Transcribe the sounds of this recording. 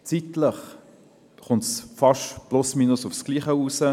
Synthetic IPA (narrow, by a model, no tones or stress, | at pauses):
t͡sit̪ləχ | χʊntsfɑʃplʊsmiːnʊsʊfsɡ̥liːχəuːsə